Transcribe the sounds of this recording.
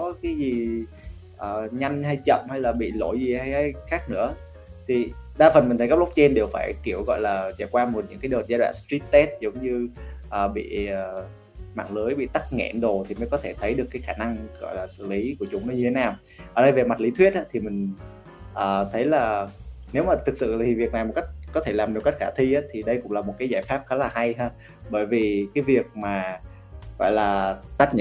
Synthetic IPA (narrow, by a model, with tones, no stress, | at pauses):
ɔ˨˦kaː˨˦jzi˨˩ | ʔəː˨˩ɲa˧jŋ̟ɦa˧jt͡ɕə̰˧˨mha˧jlaː˨˩ɓḭ˧˨lo˧˩jzi˨˩ha˧jha˧jxaː˦˥k̚nɨ̰˧˥ə | t̪ʰi˨˩ɗaː˧fə˨˩nmi̟˨˩t̪ə˨˦kə˦˥p̚lə˦˥k͡p̚t͡ɕɛ˧nɗe˨˩wfaː˧˩jki˧˩əwɣɔ̰˧˨jlaː˨˩t͡ɕa˧˩kwaː˧mo˨˩t̚ɲɨ̰˧˥ŋkaː˨˦jɗəː˨˩t̚za˨˧jɗwa̰ː˧˨nstɹi˦˥t̚t̪ɛ˦˥t̚zə˨˦ŋ͡mɲɨ˧ʔəː˨˩ɓḭ˧˨əː˨˩ | ma̰ː˧˨ŋləː˨˦jɓḭ˧˨t̪a˦˥k̚ŋɛ̰˧˨nɗo˨˩t̪ʰi˨˩məː˨˦jkɔ˨˦t̪ʰe˧˩t̪ʰə˨˦jɗɨ˨˩əkːaː˨˦jxaː˧˩na˧ŋɣɔ̰˧˨jlaː˨˩sɨ̰˧˨li˨˦ku˧˩ət͡ɕʊ˨˦ŋ͡mnəː˨˦ɲɨ˧t̪ʰe˨˦naː˨˩w | ʔəː˧˩ɗə˧jve˨˩ma˨˩t̚li˨˦t̪ʰwi˦˥ət̚ʔaː˨˧˦t̪ʰi˨˩mï˨˩ŋ̟ | ʔəː˨˩t̪ʰə˨˦jlaː˨˩ne˨˦wmaː˨˩t̪ʰɨ˨˩k̚sɨ̰˧˨˩i˨˩vi˨˩ək̚na˨˩jmo˨˩ka˦˥k̟̚kɔ˨˦t̪ʰe˧˩laː˨˩mɗɨ˨˩ka˦˥jk̚xaː˧˩t̪ʰwi˧ʔaː˨˦t̪ʰi˨˩ɗə˧jkʊ̰˧˥ŋ͡mlaː˨˩mo˨˩t̚kaː˨˦jzaː˧˩jfaː˦˥p̚xɔː˨˦˥laː˨˩ha˧jɦaː˧ | ɓəː˧˩jvi˨˩kaː˨˦jvi˨˩ək̚maː˨˩ | ɣɔ̰˧˨jlaː˨˩t̪aː˦˥k̚ɲə˧˨